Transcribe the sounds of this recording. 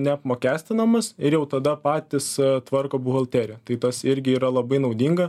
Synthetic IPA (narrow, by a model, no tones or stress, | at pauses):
nʲɛɐpmoːkʲæːsʲt̪ʲɪnɐmɐsɪɾjɛʊt̪ɐd̪ɐpɑːt̪ʲɪst̪ʋɐrkoːbʊɣɐlʲˠt̪ʲæːɾʲɛt̪ɐɪt̪ɐsɪɾʲɡʲɪiːɾɐlˠɐbɐɪnɐʊd̪ʲiːŋɡɐ